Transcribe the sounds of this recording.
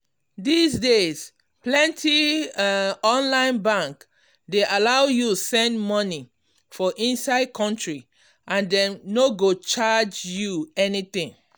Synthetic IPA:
disdes | plɛ̃ntʰi | ɔ̃nlãɪ̃nbãŋk | deʔalaʊjutusɛ̃ndmɔni | fɔʔĩnsaɪd̚kʰɔ̃ntɹi | ʔãndɛ̃mnoɡot͡ʃad͡ʒjuɛnit̪ĩŋ

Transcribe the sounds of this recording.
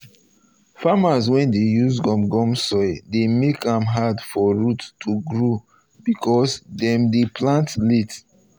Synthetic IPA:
famaswɛ̃ndejuzɡɔ̃mɡɔ̃msɔɪdemekãmɦadfɔɹutːuɡɹo | bikʰɔsdɛ̃mdepʰlãntlet

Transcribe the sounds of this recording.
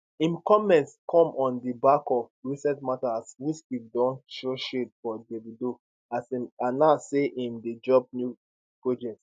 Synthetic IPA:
ĩmkɔmɛ̃ntskʰɔ̃mɔ̃ndibakɔvɹisɛ̃tmataswit͡ʃidɔ̃nʃoʃetfɔdebidu | asimanaseʔĩmded͡ʒɔb̚nju | pɹod͡ʒɛt

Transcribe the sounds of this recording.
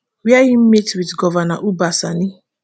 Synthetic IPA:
wiajim̩metwidɡɔvanaʔubasanĩ

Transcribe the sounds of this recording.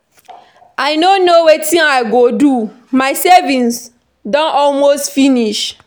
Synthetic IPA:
aɪnonowetĩnaɪɡodu | maɪsevĩns | dɔ̃nɔlmostfiniʃ

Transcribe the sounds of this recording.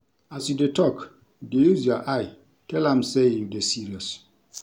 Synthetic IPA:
asjudetɔk | dejuzaʔaj | tɛlãmsejudesiɹiɔs

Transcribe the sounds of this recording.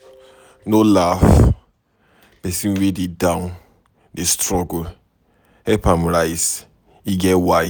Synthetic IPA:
nolaf | pɛsĩnwededãn | destɹɔɡo | hɛpãmɹajs | iɡɛwaj

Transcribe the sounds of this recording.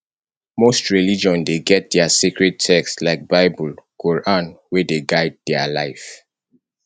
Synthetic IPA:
mostɹilid͡ʒɔ̃ndeɡɛt̚d̥ɛasikɹɛd̚tʰɛkstlaɪk̚baɪbulɡ̥oɹʔɔ̃nwedeɡaɪd̚dɛalaɪf

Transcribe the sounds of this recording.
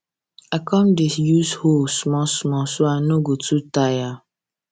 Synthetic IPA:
akɔ̃mdisjushosmɔsmɔsoanoɡotutaja

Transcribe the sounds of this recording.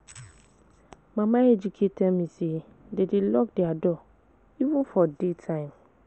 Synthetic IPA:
mãmãɛd͡ʒukʰetʰɛmĩsi | dedɪlɔkdɪadɔ | ivũnfɔdetʰãɪ̃m

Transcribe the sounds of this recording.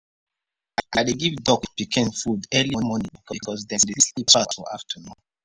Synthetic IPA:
aadeɡivdɔkpikʰɛ̃nfudɛlimɔnĩbikʰɔkkʰɔsdɛ̃deislitatfɔ̰a̰ftʰənũn

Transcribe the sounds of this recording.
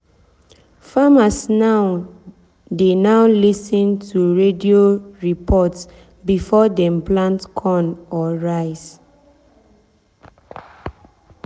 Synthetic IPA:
famasnaw | denaʊlisɔ̃ntʰuɹedioɹipʰɔts | bifɔdɛ̃mplãntkʰɔ̃nɔɹaɪs

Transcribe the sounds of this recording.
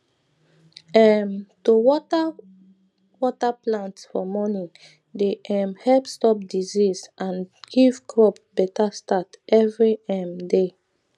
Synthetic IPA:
ɛmtuwɔta | wɔtaplãntsfɔmɔnĩ | deʔɛ̃mhɛlpstɔp̚dizisãnɡ̥ivkʰɹɔpbɛtastatɛvɹiɛmde

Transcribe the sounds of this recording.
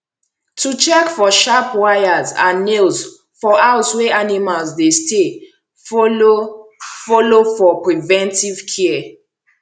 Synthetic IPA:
tʰut͡ʃɛkfɔʃapʰwajazãnːilz | fɔʔaʊswɛʔanimalzdeste | folofɔlofɔpɹivɛ̃ntiv̥kʰi

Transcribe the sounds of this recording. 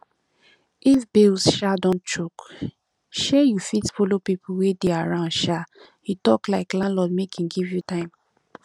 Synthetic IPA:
ʔifbilsʃadɔ̃nt͡ʃok | ʃɛjufitfolopipʰuwedeaɹãʊnʃa | hitɔklaɪklãnlɔd̚mekʰĩnɡivjutãɪ̃m

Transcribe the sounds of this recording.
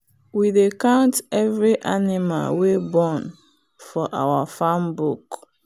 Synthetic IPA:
widekãʊ̃ntɛvɾiʔanɪma̰lwebɔn | fɔʔawafambuk

